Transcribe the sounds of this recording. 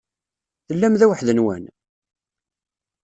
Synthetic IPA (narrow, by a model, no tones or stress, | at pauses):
θəlːæmðæwəħðənwæ̰n